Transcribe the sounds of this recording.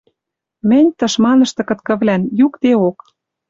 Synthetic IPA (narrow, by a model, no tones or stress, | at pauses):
mɘ̆nʲt̪ɤ̆ʃmɑnɤ̆ʃt̪ɤ̆kɤ̆t̪kɤ̆βlʲænjukt̪eok